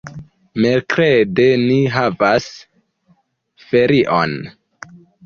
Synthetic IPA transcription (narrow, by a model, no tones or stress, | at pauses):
melkɾede̞niɦavas | fe̞ɾiʔo̰n